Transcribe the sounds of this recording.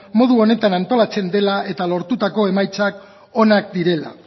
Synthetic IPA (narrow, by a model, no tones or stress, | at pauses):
mo̞ð̞uo̞ne̞t̪anant̪o̞lat͡se̞nd̪e̞lae̞t̪alo̞ɾt̪ut̪ako̞e̞majt͡sak | o̞nak̚d̪iɾe̞la̰